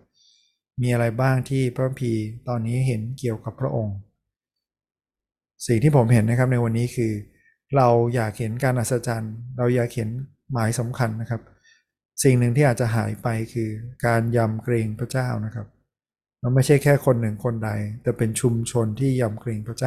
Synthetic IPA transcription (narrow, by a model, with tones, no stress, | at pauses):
miː˧ʔa˧ɾa˧jbaː˥˩ŋt̪ʰiː˥˩pʰɾa˦˥ka˧mpʰiː˧t̪ɔː˧nːiː˦˥ɦe˩˦nki˨˩əwka˨˩pʰːɾa˦˥ʔo˧ŋ | si˨˩ŋt̪ʰiː˥˩pʰo˩˦mɦe˩˦nːa˦˥kʰa˦˥p̬̚na˧jwa˧nːiː˦˥kʰɯː˧ | ɾa˧wjaː˨˩k̚he˩˦nkaː˧nʔa˨˩t̪sa˧t͡ɕa˧nɾa˧wjaː˨˩k̚he˩˦n | maː˩˦jsa˩˦mkʰa˧nːa˦˥kʰa˦˥p̚ | si˨˩ŋnɯ˨˩ŋt̪ʰiː˥˩aː˨˩t̚t͡ɕa˨˩ɦaː˩˦jpa˧jkʰɯː˧kaː˧nja˧mkɾeː˧ŋpʰɾa˦˥t͡ɕaː˥˩wna˦˥kʰa˦˥p̚ | ma˧nma˥˩jt͡ɕʰa˥˩jkʰɛː˥˩kʰo˧nːɯ˨˩ŋkʰo˧nda˧jt̪ɛː˨˩pe˧nt͡ɕʰu˧mt͡ɕʰo˧nt̪ʰiː˥˩ja˧mkɾeː˧ŋpʰɾa˦˥t͡ɕaː˥˩